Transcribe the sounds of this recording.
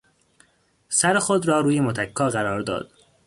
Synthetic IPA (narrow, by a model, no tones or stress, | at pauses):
sæɾexod̪ɾɒːɾuːjemot̪ʰækʰːɒːɣæɾɒːɾd̪ɒ̰ːd̪̥